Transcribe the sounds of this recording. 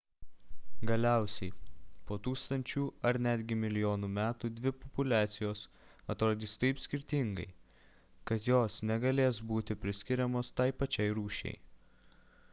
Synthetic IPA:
ɡɐlʲæˑʊsʲɛɪpoːt̪uːkst̪ɐnʲt͡ʃʲuːɐɾnʲæd̪ʲɡʲɪmʲɪlʲɪjoːnuːmʲæːt̪uːd̪ʲʋʲɪpɔpʊlʲæːt̪sʲɪjoːs | ɐt̪ɾoːd̪ʲiːst̪ɐɪpsʲkʲɪɾʲt̪ʲɪŋɡɐ̰ɪ | kɐt̪joːsnʲɛɡɐlʲeːsbuːt̪ʲɪpʲɾʲɪsʲkʲɪɾʲɛmoːst̪ɐɪpɐt͡ʃʲɛɪɾuːʃʲɛ̰ɪ

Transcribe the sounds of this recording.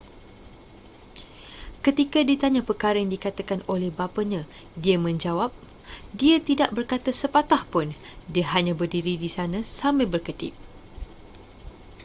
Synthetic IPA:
kət̪ikadit̪aɲãpəkaɾəjaŋdikat̪akanolɛhbapaɲã | diamə̃ɲd͡ʒawap̚ | diat̪idaʔbərkat̪asəpat̪ahpʊn | diaɦaɲãbərdiɾidisanãsamabərkətɪ̰p̚

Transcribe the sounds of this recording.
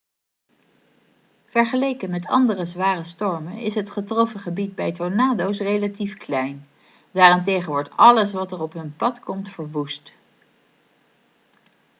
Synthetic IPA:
v̥ɛɹχəlejkənmɛtɑ̰ndərəzʋaːrəstɔɹmənɪ̰sɦətχətrɔfəχəbid̚bɛjtonaːdowsrejlatifklɛjn | daːrɪntejχənʋɔɹtɑləs̬ʋɑtəɹɔpɦɵnpɑtkɔmtfəɹʋust

